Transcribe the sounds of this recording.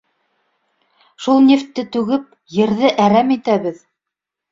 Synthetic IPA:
ʃulˠnʲeft̪ːɘt̪ʉɡɘp̚ | jɘ̆ɾðɘʔæɾæmit̪æβɘð

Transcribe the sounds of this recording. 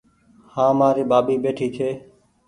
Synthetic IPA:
hãːmaːɾiːɓaːbiːɓeːʈʰiːt͡ʃʰeː

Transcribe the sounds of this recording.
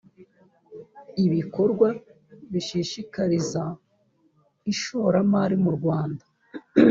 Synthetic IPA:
iβiko̞ɾɡwa | βiʃiʃikaɾiza | iʃoɾamaɾimuɾɡwaːndḁ

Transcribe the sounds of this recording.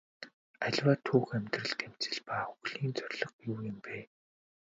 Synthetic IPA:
æɮʲwaːt̪ʰːuːxæmʲt̪rə̆ɬt̪em̥t͡sɘ̆ɮpaːxuɣɮiːnt͡sœrʲɮɞ̆qjuːjɪ̆mpæː

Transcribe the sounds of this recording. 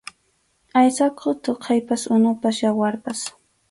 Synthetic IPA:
ajsakʰʊt̪oqʰɑjpasʊnʊpasjawaɾpas

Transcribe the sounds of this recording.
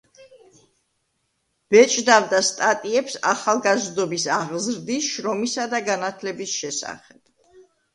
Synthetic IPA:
b̥ɛt͡ʃʼd̪avd̪ast̪ʼat̪ʼiɛpsaχalˠɡazd̪ɔbisaʁzɾd̪isʃɾɔmisad̪aɡanat̪ʰlɛbisʃɛsa̰χɛb̥̚

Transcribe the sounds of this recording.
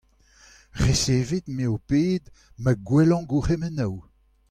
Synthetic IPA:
ʁeseːved̪meopeːd̪ | məɡwɛlɑ̃ɡuʁɛmɛnaw

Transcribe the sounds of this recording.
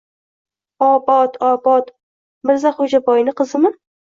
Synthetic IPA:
ɒbɒt̪ɒbɒt̪ | mɪɾzaχod͡ʒabɒjnɪqʰɨzɨmɪ

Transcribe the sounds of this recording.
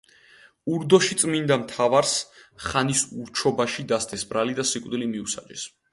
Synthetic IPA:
uɾd̪ɔʃit̪sʼmind̪amt̪ʰavaɾsχanisuɾt͡ʃʰɔbaʃid̪ast̪ʰʼɛsbɾalid̪asikʼd̪ilimiusa̰d͡ʒɛs

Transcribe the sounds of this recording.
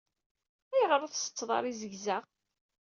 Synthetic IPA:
æjəʁɾˤʊθsə̥t͡sːðˤɑ̰ɾˤizəʝzæʁ

